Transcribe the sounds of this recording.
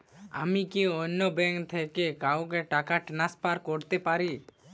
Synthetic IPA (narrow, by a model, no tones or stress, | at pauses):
a̰mikionːobɛŋkt̪ʰekekawk̬eʈakaʈnaspaɾkoɾt̪epaɾi